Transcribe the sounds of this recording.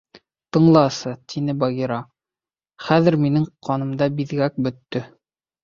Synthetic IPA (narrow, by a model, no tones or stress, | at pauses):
t̪ɤ̆ɴlˠɑsɤt̪ʰinɘbɑɣiɾɑ | χæðɘ̆ɾminɘŋqʰɑnɤ̆md̪ɑbiðɡæk̚bɵ̆t̪ːɵ